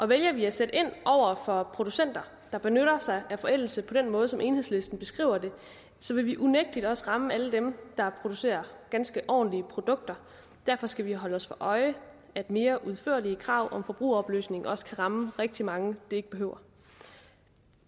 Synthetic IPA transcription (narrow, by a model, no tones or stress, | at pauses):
ʔɒ̽ʋeljɐʋiæsed̥əe̝n̰ʔɒʊ̰ɐfɒ̽pʰʁo̝d̥usen̰d̥ɐ | d̥ɑ̈b̥e̝nøɾɐsɑ̈ɪæfɒ̽el̰l̩səpʰɒ̽d̥enmɔ̽ːð̞̩ˠsɒ̽mʔe̝ːnhe̝̰sle̝sd̥n̩b̥e̝sɡ̥ʁḭːʊɐd̥e̝ | sɒ̽ʋe̝ʋiʔuneɡ̥̚d̥id̥ɒ̽səʁɑ̈məæləd̥emd̥ɑ̈pʰʁo̝d̥use̝̰ːɐɡ̥ænsɡ̥əʔɒ̰ːn̩liəpʰʁo̝d̥ɔ̽ɡ̥̚d̥ɐ | d̥æɐ̰fɒ̽sɡ̥æʋiɦɒ̽ləɒ̽sfɒ̽ʔɒ̽ɪə | æd̥me̝ːɐʔuðˠfø̰ɐ̰liəkʰʁɑ̈ʊ̰ʔɒ̽mfɒ̽b̥ʁṵːɒ̽b̥ly̰ːsne̝ŋɒ̽sə̥kʰæʁɑ̈məʁeɡ̥̚d̥imɑ̈ŋəd̥ee̝ɡ̥əb̥e̝ɦøʊ̰ɐ